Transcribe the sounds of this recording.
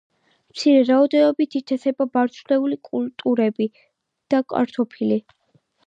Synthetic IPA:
mt̪sʰiɾɛɾaɔd̪ɛnɔbit̪ʰit̪ʰɛsɛbabaɾt̪t͡ʃ̪ʰlɛulikʼult̪ʼuɾɛbi | d̪̥akʼa̰ɾt̪ʰɔpʰili

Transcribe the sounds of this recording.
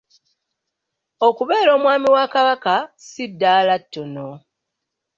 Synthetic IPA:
o̞kuβe̞ːɾo̞ːmwaːmiwaːkaβakasidːaːlatːono

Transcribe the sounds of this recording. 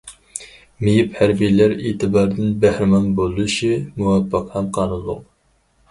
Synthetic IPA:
mejiphæɾbijlæɾeːt̪ʰɨbɑːɾd̪ɨnbæhɾɪmɑnbolˠɨʃimuwɑpːɨqhɛmqʰɑːnɨlˠːʊq

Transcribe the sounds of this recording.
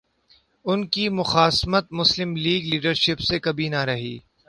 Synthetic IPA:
ʊnkimʊxaːsmət̪̚mʊslɪmliːɡliːɖəɾʃɪpsekɐbʱinɐɾɐɦḭː

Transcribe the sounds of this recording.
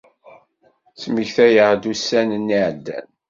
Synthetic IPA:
t͡sməçθæjəʁd̪usænənːiʕd̪ːæ̰n

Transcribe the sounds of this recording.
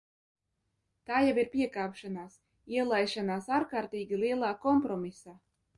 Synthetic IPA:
t̪aːjabiɾpʲiɛkaːpʃanaːs | iɛlˠajʃanaːsaːɾkaːɾt̪iːɡʲilˠiɛlˠaːkɔmpɾɔmisaː

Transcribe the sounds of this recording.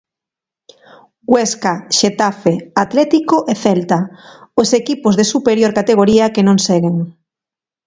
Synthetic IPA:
ɡweskaʃet̪afeat̪lɛt̪ikoʔeθɛlt̪aosekipozðesupeɾjoɾkat̪eɣoɾiakenõŋsɛɣeŋ

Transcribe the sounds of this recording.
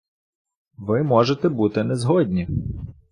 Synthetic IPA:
ʋɪmɔʒet̪ɛbut̪ɪnɛzɦɔd̪ʲnʲi

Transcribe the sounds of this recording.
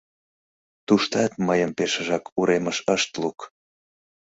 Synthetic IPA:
t̪uʃt̪ɑt̪məjəmpeʃəʒɑkuɾʔeməʃəʃt̪luk

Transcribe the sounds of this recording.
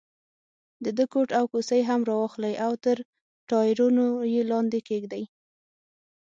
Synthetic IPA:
d̪əd̪əkoʈawkosəjɦamɾɑwɑxlajʔawt̪əɾ | ʈɑjɪɾunojelɑnd̪ekeɡd̪aj

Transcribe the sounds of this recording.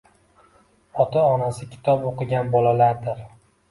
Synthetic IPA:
ɒt̪ʰaɒnasɪkʲʰɪ̥t̪ʰɒpoqɨɡʲanbɒlalaɾd̪ɪɾ

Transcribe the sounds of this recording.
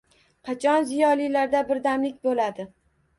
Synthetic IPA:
qʰɑt͡ʃʰɒnzijɒlijlaɾd̪abɪɾd̪amlɪk̚ʲbolad̪ɪ

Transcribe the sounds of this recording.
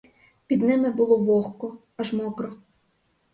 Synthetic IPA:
pʲid̪nɪmɪbʊlˠɔʋɔxkɔ | ɐʒmɔkɾɔ

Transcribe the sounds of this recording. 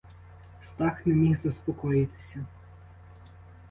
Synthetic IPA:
st̪ɑknemʲixzɐspɔkɔjɪt̪ɪ̥sʲɐ

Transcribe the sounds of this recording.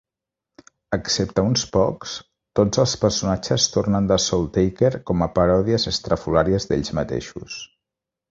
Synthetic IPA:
əksept̪əunspɔks | t̪od͡zəlˠspəɾsunat͡ʃəst̪ornənd̪əsɔlˠt̪ejkɛɾkɔməpəɾɔðiəzəst̪ɾəfulaɾiəzd̪ḛʎzmət̪ḛʃṵs

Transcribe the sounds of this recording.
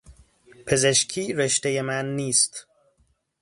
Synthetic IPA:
pʰe̞zeʃcʰiːɾeʃt̪e̞jemænːiːst̪

